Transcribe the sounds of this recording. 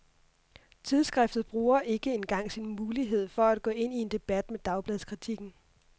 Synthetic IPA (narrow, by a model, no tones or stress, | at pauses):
t͡sʰið̞ˠsɡ̥ʁɛfd̥ð̩ˠb̥ʁuːɐʔe̝ɡ̥əe̝nɡ̥ɑ̈ŋ̰sinmuːliɦe̝ð̞̰ˠfɒ̽æd̥̚ɡ̥ɔ̰̽ːe̝n̰ie̝nd̥e̝b̥æd̥med̥ɑ̈ʊb̥lɛðˠskʰʁit͡sʰiɡ̥n̩